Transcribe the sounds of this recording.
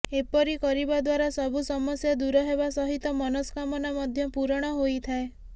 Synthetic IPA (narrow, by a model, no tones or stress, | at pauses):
epɔɾikɔɾibad̪waɾasɔbusɔmɔsjad̪uɾɔɦebasɔɦit̪ɔmɔnɔskamɔnamɔd̪ʱjɔpuɾɔɽ̃ɔɦojt̪ʰae